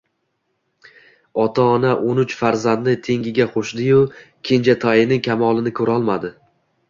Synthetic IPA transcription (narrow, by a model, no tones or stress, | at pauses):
ɒt̪ʰaɒnaʔonʊt͡ʃfaɾzand̪̚nɪt̪ʰe̞ŋɡʲɪɡʲaqʰoʃd̪ɪjʊ | kʲʰe̞nd͡ʒat̪ʰɒjɪnɪŋkʲʰamɒlˠɪnɪkʰɵɾɒlˠmad̪ɪ